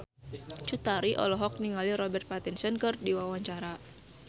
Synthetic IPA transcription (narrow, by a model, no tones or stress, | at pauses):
t͡ʃut̪aɾiʔɔ̰lɔɦɔk̚niŋaliɾɔbɛrt̪̚pat̪insənkɨrdiwawaɲt͡ʃaɾa